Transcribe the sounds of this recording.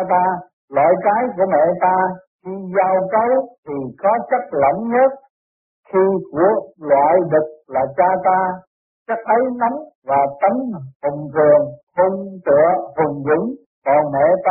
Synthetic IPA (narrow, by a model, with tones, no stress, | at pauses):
t̪aː˧ | lwa̰ː˧˨jkaː˨˦jku˧˩əmɛ̰˧˨t̪aː˧xi˧zaː˧wkə˨˦wt̪ʰi˨˩kɔ˨˦t͡ɕə˦˥k̚lə̰˧˩nɲə˦˥t̚ | xi˧ku˧˩əlwa̰ː˧˨jɗɨ˨˩k̚laː˨˩t͡ɕaː˧t̪aː˧ | t͡ɕa˦˥k̚ʔə˨˦jna˨˦m | vaː˨˩t̪ə˨˦nhʊ˨˩ŋ͡mkɨ˨˩əŋho˧ŋt̪ɨ̰˧˨əhʊ˨˩ŋ͡mzɨ̰˧˥ŋ | vɔː˨˩mɛ̰˧˨t̪a˧